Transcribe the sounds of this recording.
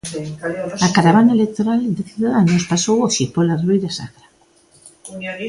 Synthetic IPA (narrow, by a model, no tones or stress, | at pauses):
akaɾaβanaelek̚t̪oɾald̪ɪθjuðaðanospasowoʃipolarβejðasa̰kɾa